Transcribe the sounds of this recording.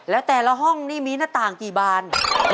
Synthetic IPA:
lɛː˦˥wt̪ɛː˨˩la˧˥ɦɔ˥˩ŋniː˥˩miː˧naː˥˩t̪aː˨˩ŋkiː˨˩baː˧n

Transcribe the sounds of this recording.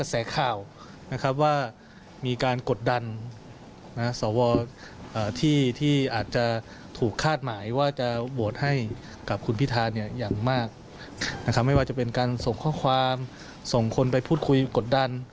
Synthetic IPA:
ka˧sɛː˩˦kʰaː˨˩w | na˦˥kʰa˦˥p̚waː˥˩ | miː˧kaː˧nko˨˩t̪̚da˧nː | a˦˥sɔː˩˦wɔː˧ʔaː˨˩t̪ʰiː˥˩t̪ʰiː˥˩ʔaː˨˩t̪̚t͡ɕa˨˩ | t̪ʰuː˨˩kʰːaː˥˩t̪̚maː˩˦jwaː˥˩t͡ɕa˨˩bu˨˩t̪̚ha˥˩j | ka˨˩p̚kʰu˧npʰi˦˥t̪ʰaː˧nːi˥˩ɐjaː˨˩ŋmaː˥˩k̚ | na˦˥kʰa˦˥p̚ma˥˩jwaː˥˩t͡ɕa˨˩pe˧nkaː˧nso˨˩ŋkʰɔː˥˩kʰwaː˧m | so˨˩ŋkʰo˧npa˧jpʰuː˥˩t̪̚kʰu˧jko˨˩t̪̚da˧n

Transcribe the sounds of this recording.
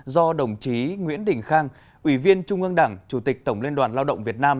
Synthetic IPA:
zɔ˧ɗə˨˧˩wŋ͡mt͡ɕi˨˦ŋwḭ˧˥ənɗï˨˩ŋ̟xaː˧ŋ | ʔwi˧˩vi˧ənt͡ɕʊ˧ŋ͡mʔɨ˧ŋɗa̰ː˧˩ŋt͡ɕu˧˩t̪i˨˩k̚t̪ə˧˩wŋ͡mlənɗwaː˨˩nlaː˧wɗə̰˧˨wŋ͡mvi˨˩ət̚naː˧m

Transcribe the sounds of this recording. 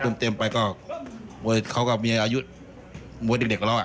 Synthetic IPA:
ɯː˧˩˨mt̪e˧mpa˧jkɔː˧˩mu˧kʰa˧˩wka˧˩miː˧ʔaː˧ju˦˥t̪̚ | mu˧˦de˨˩k̚e˨˩k̚ʰːla˧˨ʔa˧

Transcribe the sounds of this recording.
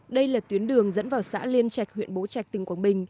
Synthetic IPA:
ɗə˧jlaː˨˩t̪wi˨˦ənɗɨ˨˩əŋzə̰˧˥nvaː˨˩wsa̰ː˧˥li˧ənt͡ɕa˨˩jk̚hwḭ˧˨ənɓo˨˦t͡ɕa˨˩k̚t̪ï˨˩ŋ̟kwaː˧˦ɓï˨˩ŋ̟

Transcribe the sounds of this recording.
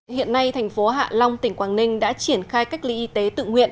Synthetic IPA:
hḭ˧˨ənːa˧jt̪ʰɛ˨˩jŋ̟fo˨˦ɦa̰ː˧˨la˧wŋ͡mt̪ï˧˩ŋ̟kwaː˧˩nnï˧ŋ̟ɗa̰ː˧˥t͡ɕi˧˩ənxaː˧jka˦˥jk̟̚lḭ˧˥ʔi˨˧˦t̪e˨˦t̪ɨ̰˧˨ŋhwḭ˧˨ən

